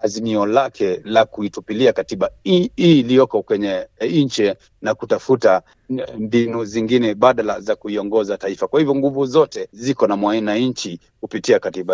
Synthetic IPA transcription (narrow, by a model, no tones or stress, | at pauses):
hazimiɔlakʰɛlakuitupiliakatiɓailijɔkɔkwɛɲɛɲt͡ʃɛ | nakutafuta | mbinuziŋɡinɛɓaɗalazakuiɔŋɡɔzataifakwahivjɔŋɡuvuzɔtɛzikɔnamwainaɲt͡ʃi | kupitiakatiɓa